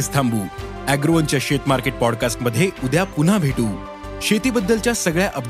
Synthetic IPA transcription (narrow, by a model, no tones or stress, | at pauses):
ist̪ʰambuː | æɡɾoənt͡ɕjaɕet̪maɾkeʈ̚pɔɽkasʈməd̪ʱːjeud̪ʱjapun̤abʱeʈuː | ɕet̪iːbəd̪ːəlt͡ɕjasəɡɭjaʔəb̪